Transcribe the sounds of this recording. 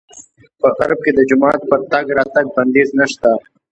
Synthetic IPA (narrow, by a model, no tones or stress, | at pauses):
pəɣɐ̰ɾb̚ked̪əd͡ʒʊmɑːt̪̚pəɾt̪ɐɡɾɑːt̪ɐɡ̚bɐnd̪eːznaʃt̪a